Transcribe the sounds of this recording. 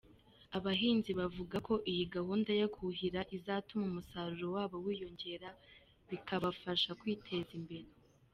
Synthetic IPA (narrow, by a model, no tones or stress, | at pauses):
aβaɦiːnziβavuɡakʰo̞ʔijiɡahuːndajakuɦiɾaʔizaːtumumusaɾuɾowaːβo̞wiːjo̞ɲɟeɾa | βikʰaβafaʃakwiːtʰe̞zimbe̞ɾe